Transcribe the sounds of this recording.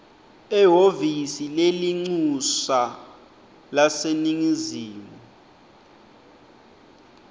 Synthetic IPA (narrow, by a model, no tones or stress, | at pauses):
ɛɦovisileliŋ͡ǀusa | laseniŋiziːmu